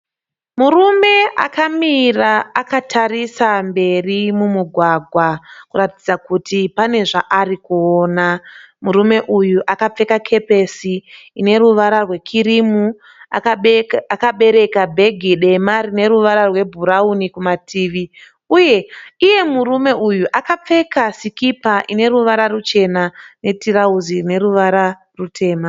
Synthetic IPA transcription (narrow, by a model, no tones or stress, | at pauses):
murume̞ʔa̰kamiraːkatʰarisambe̞rimumuɡʱwaɡʱwakuratid͡zakutipane̞ʐaʔarikuoːna | muɾume̞ʔujuʔakap͡fe̞kakʰe̞pe̞siːne̞ɾuʋaɾarwe̞kʰiɾimu | a̰kakaɓe̞ɾe̞kabʱe̞ɡʱiɗe̞marine̞ɾuʋaɾarwe̞bʱuɾaunikumatʰiːʋi | uje̞ije̞murume̞ʔujuʔakap͡fe̞kasikipaʔine̞ɾuʋaɾarut͡ʃe̞nane̞tiɾauzirine̞ɾuʋaɾa | rutʰe̞ːma